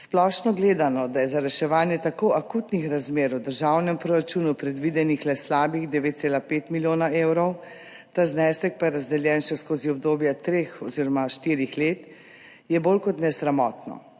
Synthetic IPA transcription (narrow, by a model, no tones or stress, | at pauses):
splɔʃnɔɡleːd̪anɔd̪ajɛzaɾɛʃɛʋaːnjɛt̪akoʔakuːt̪nixɾazmeːɾwd̪əɾʒaːwnɛmpɾoɾat͡ʃuːnupɾɛd̪ʋid̪ɛnixlɛslaːbiɣd̪ɛʋeːt̪̚seːlapeːt̪miljoːnaewɾɔw | t̪aznɛːsɛk̚pajɛɾazd̪ɛljɛnʃɛskoːziɔbd̪oːbjat̪ɾeːxɔziɾɔmaʃt̪iːɾixleːt̪ | jɛboːlkɔt̪nɛsɾamɔːt̪nɔ̰